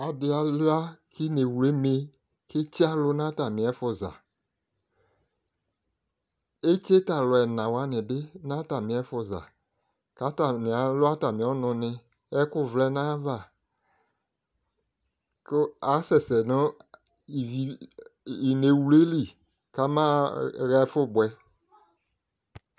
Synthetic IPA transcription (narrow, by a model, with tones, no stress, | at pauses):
a˨dɪ˦a˨lu˦a˦ki˦ne˨wu˨le˦me˨ | ke˦t͡ʃi˦a˦lʊ˦nã˦ta˨mɪ̃˨ɛ˨˦fʊ˨za̰˨ | e˦t͡ʃe˦ta˨lɔ˨ɛ˨nã˨wa˨˦nɛ̃˨bɪ˦nã˦ta˨mĩ˨ɛ˨˦fɔ˨za̰˨ | ka˦ta˨mɪ̃˨a˨lʊ˦a˦ta˨mĩ˨ɔ˦nʊ̃˨nɪ̃˨ | ɛ˦kʊ˦vlɛ˦nãː˦va˦˨ | ka˨˦sɛ˨sɛ˨nʊ̃˦ | i˨i˨ | i˨ne˨˦wu˨le˦li˨ | ka˨˦mã˦ɣɛ˦fʊ˦˨bwɛ˦